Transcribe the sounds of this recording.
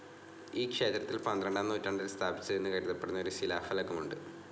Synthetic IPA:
iːkʂe̞ːt̪rɐt̪ːilpɐnd̪rɐɳɖaːnːoːtːaːɳɖɐst̪ʰaːbit͡ɕːɨðenːɨkɐɾuðɐpːe̞ɽunɐo̞ɾusilaːfɐlɐkːɐmuɳɖɨ

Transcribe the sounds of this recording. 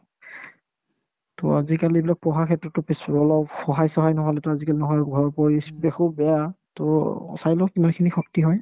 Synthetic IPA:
tɔ̰azikaliebilak̚pɔɦakʰɛtɹɔtːɔpesɔlɔpxɔɦajsɔɦajnɔɦɔlɛtʊazikalinɔɦɔjɡʱɔɹpɔɹibexubɛjatɔ̰sajlɔkimankʰinixɔktiɦɔj

